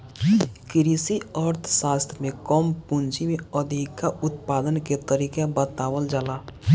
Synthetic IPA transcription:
kɪɾisiəɾt̪ʰsaːst̪ʰmẽkɔmpʊ̃nt͡ʃimẽəd̪ʱikːaʊt̪paːd̪ənket̪əɾiːkebət̪aːwəld͡ʒaːlaː

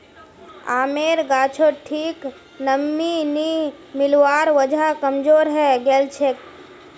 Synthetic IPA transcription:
a̰ːmeːɾɡaːt͡ʃʰoʈʰiːk | nəmːini | mɪlwaːɾʋəd͡ʒʱakəmd͡ʒoːɾɦɛɡɛːlt͡ʃʰek

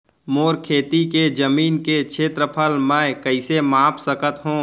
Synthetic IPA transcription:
moːɾkʰeːt̪iked͡ʒəmiːnket͡ʃʰeːt̪ɾəpʰəlmɛ̃ːkəɪsemaːpʰsəkət̪ɦõː

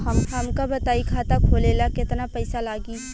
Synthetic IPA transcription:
ɦɐmkʰamkabət̪aːikʰaːt̪akʰoːleːlakɪt̪napəɪsalaːɡiː

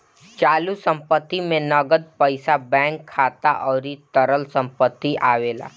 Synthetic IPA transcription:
t͡ʃaːlusə̃mpət̪ːimẽnɐɡəd̪̚pəɪsabɛ̃ːŋkʰːaːt̪aʔɔːɾit̪əɾəlsə̃mpət̪ːiʔaːʋeːla̰ː

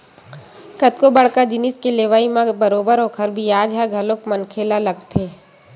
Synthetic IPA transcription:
kət̪kobəɽkad͡ʒɪnɪskeleːʋaːimãbəɾoːbəɾɦoːkʰəɾbʱijaːd͡ʒɦɛɡʱɐlokmənkʰeːlalɐɡt̪ʰeː

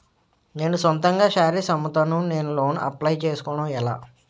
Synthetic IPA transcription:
ne̞ːnusɐnt̪ɐŋɡaːʃaːɾisɐmːut̪ɐnune̞ːnulo̞ːnɐ̰plɐjt͡ʃeːsu̥kɔːɳɐɛla̰ː

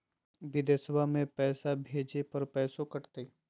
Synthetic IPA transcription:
bɪd̪eswamẽpɛːsabʱeːd͡ʒepɐɾpɛːsõkɐʈt̪eː

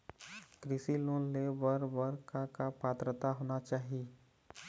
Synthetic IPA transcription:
kɾɪsiloːnlebəɾbəɾkakapaːt̪ɾət̪aɦoːnat͡ʃaːɦi

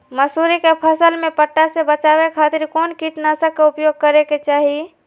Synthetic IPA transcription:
məsuɾikepʰəsəlmepəʈːasebət͡ʃabekʰat̪iɾkonkiʈnasəkːeupjoɡ̚kəɾeket͡ʃaɦi

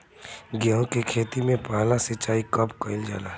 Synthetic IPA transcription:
ɡjãːɦõkekʰeːt̪imẽpalasɪt͡ʃaːikəpkəɪld͡ʒa̰ːla

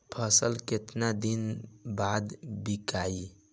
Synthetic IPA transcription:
pʰəsəlket̪nad̪inbad̪bikai

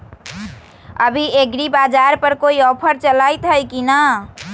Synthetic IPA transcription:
əbʱieɡɾibad͡ʒaɾpəɾkoiɔpʰəɾt͡ʃəlajt̪ɦəjkina

